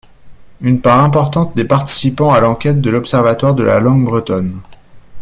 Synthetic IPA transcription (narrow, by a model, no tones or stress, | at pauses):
ynpaʁɛ̃pɔʁt̪ɑ̃t̪̚d̪epaʁt̪i̥sipɑ̃alɑ̃kʲɛt̪̚d̪əlɔpsɛʁvat̪waʁd̪əla̰lɑ̃ɡbʁət̪ɔn